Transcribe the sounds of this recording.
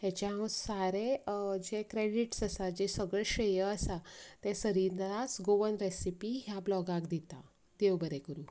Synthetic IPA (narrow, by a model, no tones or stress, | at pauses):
ɦat͡ɕaɦãwsaɾed͡ʑekɾeɽiʈsəsad͡ʑesəɡɭeɕəjəəsat̪ɛ̃səɾiɾnaɾasɡoʋənɾesipiɦjablɔɡakd̪it̪a | d̪̥ewbəɾekəɾuː